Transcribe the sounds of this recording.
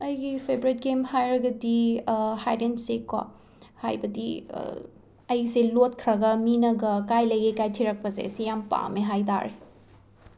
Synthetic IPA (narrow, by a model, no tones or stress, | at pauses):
ɐjɡipʰebɾit̚ɡemhajɾɐɡɐdihajdensekʰwa̰ | ha̰jbɐdḭ | ɐjselot̚kʰɾɐɡɐminɐɡɐkajlɐjɡekajtʰiɾɐk̚pɐzḛsijampa̰meɦajta̰ɾe